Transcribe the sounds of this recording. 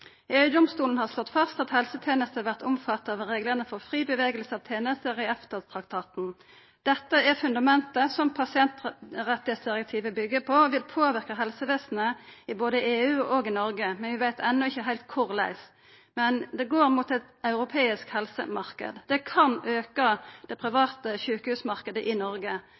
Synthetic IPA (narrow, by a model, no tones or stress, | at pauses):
eːʉd̪ʊmst̪uːln̩hɑʁslɔt̪ːfɑst̪ɑt̪hɛlsət̪ʰjeːnəst̪əɑʋæʁt̪ʊmfɑt̪ːɑʋɾeːɡləʁnəfɔʁfɾiːbəʋeːɡəlsəɑʋt̪ʰeːnəst̪əɾɪɛft̪əʁt̪ʰʁɑkt̪ʰɑːt̪n̩ | d̪̥ɛt̪ːəɛɾfʉnd̪ɑmɛnt̪əsɔmpʰɑsɪɛnt̪ʁɛt̪ːɪhet̪sd̪ɪʁɛk̚t̪ʰiːʋəbʏɡːəpʰɔʋɪlpʰoːʋɪʁkəɦɛlsəʋeːsn̩əɪboːd̪əɪeːʉːʔɔɡɪnɔɾɡəmɛnʋɪʋæɪt̪ʰɛnːʊɪçːəɦæɪlt̪̚kʰʊʁlæ̰ɪs | mɛnd̪ɛɡoːɾmuːt̪ɛt̪ɑʉɾʊpʰeːɪskhɛlsə̰mɑʁkə̰d̪d̪ɛkʰɑnøːkəd̪̥ɛpʰɾɪʋɑːt̪əçʉːkəhʉːsmɑʁkəd̪əʔɪnɔɾɡə